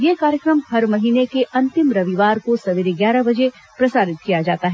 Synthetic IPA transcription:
jeːkaːɾjəkɾəmhɐɾmɐɦiːnekeɐ̃nt̪ɪmɾɐʋiʋaːɾkosɐʋiɾeɡjaːɾabɐd͡ʒe | pɾɐsaːɾɪt̪̚kijad͡ʒaːt̪aɦɛ

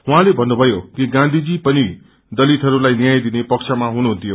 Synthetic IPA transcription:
ɦuɦãlebʱʌnːubʱʌjokiɡãnd̪ʱid͡zipʌni | d̪ʌlit̪ʌɾulajnijajd̪inepʌkt͡sʰamaɦunuɦunt̪ʰijo

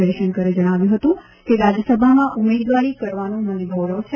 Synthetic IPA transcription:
əɾiʃənkəɾed͡ʒəɽ̃aʋjũɦət̪ũ | keɾad͡ʒəsəbʱamãʔumed̪ʋaɽikəɾʋanõməneɡ̪ʱɔɾəʋt͡ʃʰe

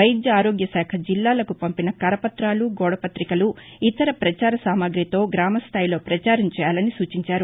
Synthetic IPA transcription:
ɐjɐd̪jɐaːɾoːɡjɐsaːkʰɐd͡ʒilːaːlɐkupɐmpinɐkɐɾɐpɐt̪ɾaːluɡɔːɽɐpɐt̪ɾikɐluit̪ɐɾɐpɾɐt͡ʃaːɾɐsaːmɐɡɾit̪o̞ːɡɾaːmɐst̪ʰaːjlo̞ːpɾɐt͡ʃaːɾɐmt͡ʃɛːjaːlɐnisuːt͡ʃiɲt͡ʃaːɾu

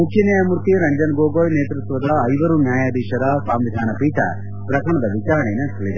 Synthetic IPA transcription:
mukʰjɐnjaːjɐmuɾt̪iɾɐɲd͡ʒɐnɡoːɡoːjneːt̪ɾut̪ʋɐd̪ɐːjʋɐɾunjaːjaːd̪iʃɐd̪ɐsaːmʋid̪ʱaːnɐpiːʈʰɐ̰ | pɾɐkɐɾɐɳɐd̪ɐʋit͡ʃaːɾɐɳejnɐisɐlid̪e

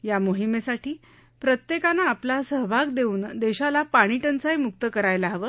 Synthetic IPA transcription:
jamoɦimesaʈiː | pɾət̪jekanaːplasəɦbʱaɡd̪euːnd̪ɛɕalapaɽ̃iʈənt͡saɦiːmuk̚t̪əkəɾajlaɦəʋəː

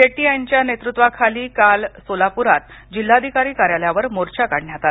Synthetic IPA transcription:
eʈiaɲt͡ɕjanet̪ɾut̪ʋakʰaliːkalsolapuɾat̪d͡ʑilːad̪ʱikaɾiːkaɾjaljaʋəɾmoɾt͡ɕakaɽ̤ɳjat̪al

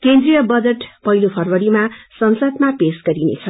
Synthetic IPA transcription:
kend̪rijʌbʌd͡zʌʈpʌɦjlopʰʌrwʌɾimasʌnsʌd̪mapesɡʌɾinḛt͡sʰʌ

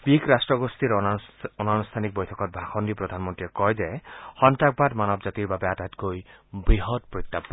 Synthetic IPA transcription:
bikɹastɹɔɡostiɾɔnɔnst̪ʰanik̚bojtʰɔkɔt̚bʱaxɔndipɹɔdʱanmɔntiɛkɔjzɛxɔntak̚badmanɔbzatiɹbabɛatatkojbɹiɦɔtpɹɔtːapː

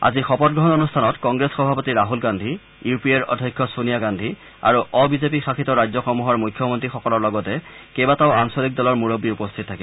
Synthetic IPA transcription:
a̰zixɔpɔtɡɹɔɦɔnonustʰanɔtkɔŋɡɹesxɔbʱapotiɹaɦulɡandʱi | upieɹɔ̰dʱɔjkʰːɔsunijaɡandʱi | a̰ɹuʔɔbizepixakʰitɔɹajzɔxɔmuɦɔɹmujkʰːjɔmɔntɹixɔkɔlɔɹlɔɡɔtɛkɛbataʊaŋsolik̚dɔlɔɹmuɹobːiupɔstʰit̚tʰːakɛ

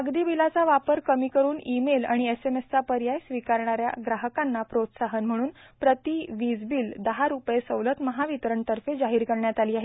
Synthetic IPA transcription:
əɡd̪iːbilat͡saʋapəɾkəmiːkəɾuːnimela̰ɽ̃iesemest͡sapəɾjajsʋikaɾɳ̃aɾja̰ɡɾaɦəkanːapɾot̪saɦənm̤əɽ̃uːn | pɾət̪iʋid͡zbiːld̪əɦaɾupjesəwlət̪məɦaʋit̪ɾəɳt̪əɾfed͡zaɦiːɾkəɽɳjat̪aliːaɦe

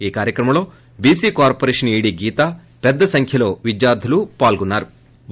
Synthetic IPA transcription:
iːkaːɾjɐkɾɐmɐmlo̞ː | biːsiːkaːɾpoːɾeːʂɐniːɽiːɡiːt̪aː | pɛd̪ːɐsɐŋkʰjɐlo̞ːʋid͡ʒjaːɾd̪ʱɐlupaːlɡunːaːɾu

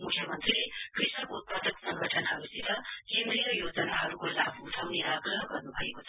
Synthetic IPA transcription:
mukʰjʌmʌnt̪rilekrisʌkut̪̚pad̪ʌksʌŋɡʌʈʰʌnabisit̪ʌkend̪rijʌjod͡zʌnaɦʌɾukolabʱuʈʰawneaɡrʌɦʌɡʌrnubʱʌ̰ekot͡sʰʌ̥

